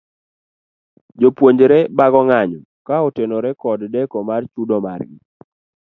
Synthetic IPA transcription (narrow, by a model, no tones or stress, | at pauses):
d͡ʒopwoɲd͡ʒɾɛbaɡɔŋaɲɔ | kaɔtenoɾɛkɔddɛkɔmart͡ʃudɔma̰rɡɪ̰